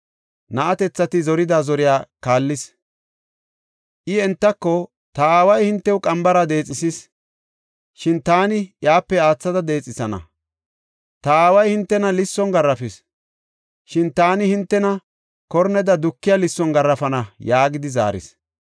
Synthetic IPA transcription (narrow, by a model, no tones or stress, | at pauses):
nɐʔɐt̪ɛt͡sːɐt̪ɪzɔɾɪd̪azɔɾɪjaːkaːlːɪs | ʔɪɛnt̪ːɐkːɔ | t̪ɐaːwɐjhɪnt̪ːɛʊkʼɐmbɐɾɐd̪e̞ːt͡sʼɪsɪs | ʃɪnt̪aːnɪjaːpːɛaːt͡sːɐd̪ɐd̪e̞ːt͡sʼːɪsɐnɐ̰ | t̪ɐaːwɐjhɪnt̪ːɛnɐlɪsːɔnɡɐrːɐfɪs | ʃɪnt̪aːnɪhɪnt̪ːɛnɐ | kɔɾnɛd̪ɐd̪ʊkːɪjalɪsːɔnɡɐrːɐfɐnɐjaːɡɪd̪ɪza̰ːɾɪ̰s